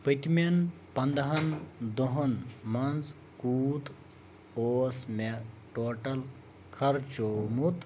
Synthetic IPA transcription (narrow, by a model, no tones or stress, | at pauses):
pɨt̪ʲmen | pɐnd̪ɐɦɐnd̪oɦɐnmɐnz | kuːt̪ | oːsme | ʈoːʈɐl | kʰɐɾt͡ʃoːmut̪